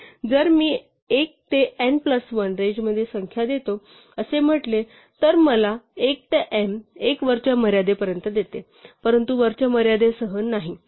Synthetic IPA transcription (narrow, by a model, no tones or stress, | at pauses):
d͡zəɾmiː | ek̚t̪eempləsʋənɾed͡ʑməd̪ʱːjesəŋkʰjad̪et̪o | əsem̤əʈle | t̪əɾməlaek̚t̪eʔemekʋəɾt͡ɕjaməɾjad̪epəɾjənt̪əd̪et̪e | pəɾənt̪uʋəɾt͡ɕjaməɾjad̪esəɦənːaɦi